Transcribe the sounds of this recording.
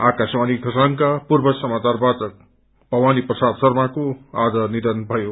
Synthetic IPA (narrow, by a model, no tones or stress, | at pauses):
akaswaniɡʱʌsankapurbʌsʌmat͡sarbat͡sʌk̚ | bʌwaniprʌsad̪sʌrmakoad͡zʌnid̪ʌnbʱʌjo